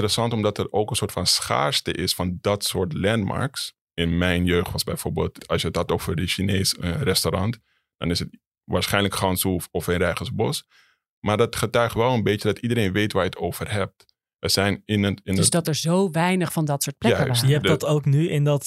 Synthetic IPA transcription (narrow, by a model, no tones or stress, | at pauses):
əɾəsɑntɔmdɑtətowkənsoːɹtfɑnsχa̰ːɹstə̰ʔɪsfɑndɑtsʊːɹtlɛnma̰ɹks | ɪnmɛjnjøːχtʋɑsbɛjfoːɹbḛːlˠtɑlˠsjəətɦɑtoːvəɹdəʃinejsərɛstoɾɑnt | d̥ɑ̰nɪsət | ʋaːɹsχɛjnləkχɑnsufɔfənrɛjχənsbɔs | maːɹdɑtχətœɥχtʋɛlˠənbejjədɑtidəɾejnʋejtʋaːɹjətowv̥ərɦɛp̚t | əz̥ɛjnɪnəɪndsdɑtəɹzowʋɛjnəχfɑndɑtsoːt̚plɛaəɛddɑtowknyɪndɑt